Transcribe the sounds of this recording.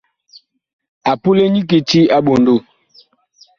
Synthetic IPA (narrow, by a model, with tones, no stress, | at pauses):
a˨pu˦le˦ɲi˦k̬e˨ti˦a˦ɓo˨ndo˦˨